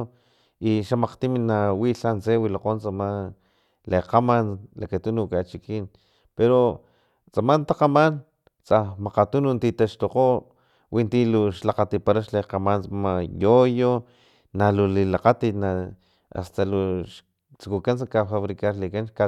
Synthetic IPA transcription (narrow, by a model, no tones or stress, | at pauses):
iʃamaqt̪iminawiɬant͡sewilaqont͡sama | leqamanlakat̪unukat͡ʃikiːn | peɾo | t͡samant̪aqaman | t͡samaqat̪ununt̪it̪aʃt̪oqo | wʔint̪iluʃlaqat̪ipaɾaʃleqamant͡samajojo | nalulilaqat̪ina | a̰st̪aluʃ | t͡sukukansakafaβɾikaɾlikanka